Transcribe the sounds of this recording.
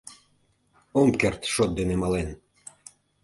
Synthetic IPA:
omkert̪ʃot̪̚d̪enemɑlen

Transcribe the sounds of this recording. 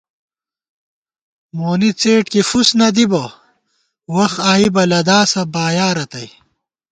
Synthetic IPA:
moːnit͡seːʈkifusnɐd̪ibɐ | wɐxaːibɐlɐd̪aːsɐbaːjaːɾɐt̪ɐj

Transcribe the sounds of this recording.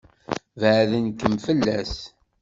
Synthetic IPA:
vʕðənkəmfəlːæs

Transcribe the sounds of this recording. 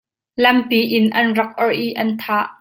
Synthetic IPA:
lɐmpiʔɪnʔɐnrɐk̚ʔɔɹʔiʔɐnt̪ʰaʔ

